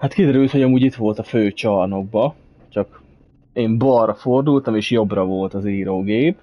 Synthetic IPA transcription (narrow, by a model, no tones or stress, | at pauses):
hat̪kid̪ɛɾylt̪ho̞ɟɒmuːɟit̪ʋo̞lt̪ɒføːt͡ʃɒrno̞ɡ̚bɒ | t͡ʃɒk | eːmbɒrːɒford̪ult̪ɒmeːʃjo̞brɒvo̞lt̪ɒziːɾoːɡeːp